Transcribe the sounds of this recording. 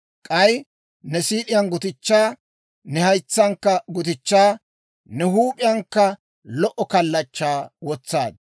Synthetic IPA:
kʼɐj | nɛsiːʔɪjɐnɡʊt̪ɪt͡ʃːaː | nɛhɐjt͡sːɐŋkːɐɡʊt̪̬ɪt͡ʃːaː | nɛhuːpʼɪjɐŋkːɐ | lɔʔɔkɐlːɐt͡ʃːaːwɔt͡sːaːd̪

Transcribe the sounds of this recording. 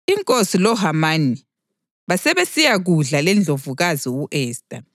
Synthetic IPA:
iŋkʼosilɔɦamani | βasɛβesijaɣuɮalɛnd͡ɮʱovuɣaziuʔɛːstʼa

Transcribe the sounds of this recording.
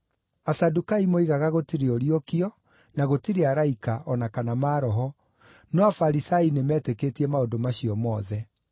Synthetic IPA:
asadukaimoiɣaɣaɣotiɾeoɾiokiɔ | naɣotiɾeaɾaikaʔɔnakanamaːɾɔɦɔ | nɔafaɾisainemɛːtekeːtiɛmaodomaɕiɔmɔðɛ

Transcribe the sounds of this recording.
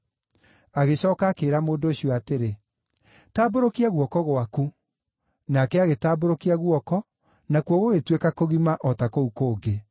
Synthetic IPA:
aɣeɕɔːkakeːɾamoːndoːɕiɔateɾe | taːboɾokiaɣwɔkɔɣoaku | nakɛaɣetaːboɾokiaɣwɔkɔ | nakuɔɣoɣetwekakoɣimaʔɔtakoukoːɡe

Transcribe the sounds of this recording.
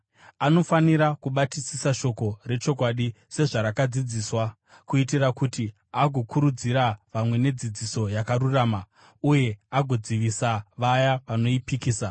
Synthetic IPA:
ano̞faniɾakuɓatisisaʃo̞ko̞re̞t͡ʃo̞kwaɗi | se̞ʐaɾakad͡zid͡ziːswa | kuitirakuti | aɡʱo̞kuɾud͡ziɾaʋamwe̞ne̞d͡zid͡ziso̞jakaɾuraːma | uje̞aɡʱo̞d͡ziʋisaʋajaʋano̞ipikiːsa

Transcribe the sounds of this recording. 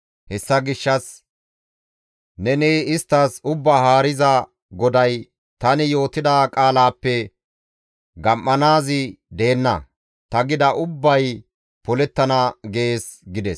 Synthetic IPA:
hɛsːɐɡɪʃːɐs | nɛnɛːɪst̪ːɐsʊbːaɦaːɾɪzɐ | ɡɔd̪ɐj | t̪ɐnɪjo̞ːt̪ɪd̪aːkʼaːlaːpːɛ | ɡɐmːɐnaːzɪd̪e̞ːnːɐ̰ | t̪ɐɡɪd̪ɐʔʊbːɐj | pɔlɛt̪ːɐnɐɡeːs | ɡɪd̪ɛs

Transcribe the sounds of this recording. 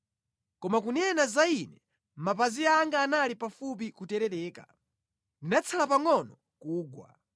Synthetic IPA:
kɔmakunɛnazainɛ | mapaziaŋɡaːnalipafup̬ikutɛɾɛɾɛːka̰ | ndinat͡sʰalapaŋɔnɔ | kuːɡwa̰

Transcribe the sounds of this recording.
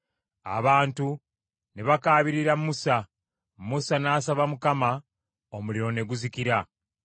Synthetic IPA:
a̰βaːntu | neβakaːβiɾiɾamusa | musanaːsaβamukama | omuliɾo̞ne̞ɡuzikiɾa

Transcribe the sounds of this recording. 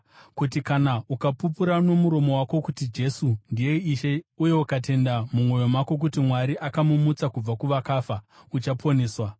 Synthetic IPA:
kutikanaukapupuɾano̞muɾo̞mo̞wako̞kutid͡ʒe̞sundije̞iʃe̞uje̞ukat̬e̞ndamumwo̞jo̞mako̞k̬utimwaɾiʔakamumut͡sakub͡vakuʋakaːfaut͡ʃapʰo̞ne̞ːswa

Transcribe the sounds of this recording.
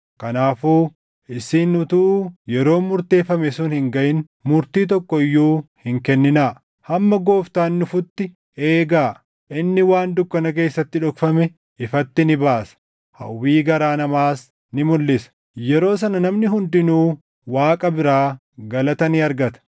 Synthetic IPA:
kɐnaːfuː | ɪsiːnːʊt̪uːjɛɾo̞ːmʊɾt̪e̞ːfːɐmɛsʊnhɪŋɡɐʔɪn | mʊɾt̪iːt̪̬ɔkːɔɪjːuːhɪŋkɛnːɪnaː | hɐmːɐɡo̞ːft̪aːnːʊfʊt̪ːɪ | eːɡaː | ʔɪnːɪwaːnd̪ʊkːɐnɐk̬e̞ːsːɐt̪ːɪᶑɔkfɐmɛ | ɪfɐt̪ːɪnɪbaːsɐ̥ | hɐ̰wːiːɡɐɾaːnɐmaːs | nɪmʊlːɪsɐ̥ | jɛɾo̞ːs̬ɐnɐnɐmnɪɦʊnd̪ɪnuː | waːkʼɐbɪɾaː | ɡɐlɐt̪ɐniɐɾɡɐt̪ɐ̥

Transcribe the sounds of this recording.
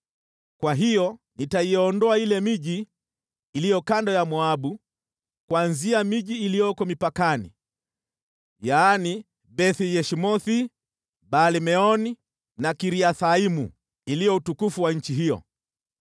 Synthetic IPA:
kwaɦijɔ | nitaiɔndɔailɛmiʄiː | lijɔkandɔjamuaɓu | kwanziamiʄiːlijɔkɔmipakanḭ | jaːni | bɛθijɛʃimɔθi | balimɛɔni | nakiɾiaθaimṵ | ilijɔutukufuwaɲ̩t͡ʃiɦijɔ̰

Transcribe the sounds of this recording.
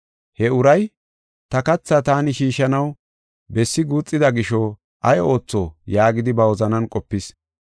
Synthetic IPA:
hɛʊɾɐj | t̪ɐkɐt͡sːɐt̪aːnɪʃiːʃːɐnɐw | bɛsːɪɡuːt͡sʼːɪd̪ɐɡɪʃɔ | ʔɐjo̞ːt͡sːojaːɡɪd̪ɪbɐwɔzɐnɐnkʼɔpːɪs

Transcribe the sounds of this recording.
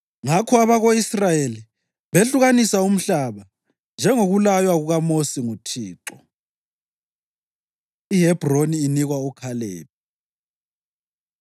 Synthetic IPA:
ŋakʰɔaβaɣoisrajeli | βeɬuɣanisaum̩ɬaβa | nd͡ʒʱɛŋoɣulajwaɣuɣamosiŋutʰiːǁɔ | iɦɛb̥ʱroniːniɣwaukʰalḛːp̚ʰi

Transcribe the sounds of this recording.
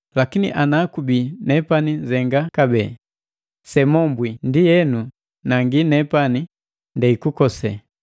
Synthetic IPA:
lakinḭʔanaːkubinɛpanizɛŋɡakabɛː | sɛmɔmbwindijɛnu | naŋɡinɛpani | ndɛikukɔsɛ

